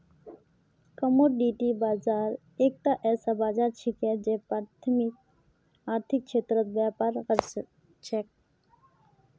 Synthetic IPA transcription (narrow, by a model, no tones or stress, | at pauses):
kəmoːɾɖiːʈibaːzaːɾ | eːk̚t̪aʔɛːsabaːzaːɾt͡ʃʰikɦɛd͡ʒeːpɾaːt̪ʰəmɪk̚ | aːɾt̪ʰɪk̚t͡ʃʰeːt̪ɾət̪̚bjaːpaɾɣəɾs | t͡ʃʰɛk̚